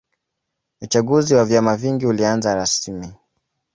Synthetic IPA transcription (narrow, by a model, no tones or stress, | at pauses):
ut͡ʃaɠuziwavjamaviŋɡiulianzaɾasmi